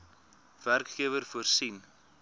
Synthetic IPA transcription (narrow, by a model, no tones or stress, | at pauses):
v̥ærkχiəvərfuərsin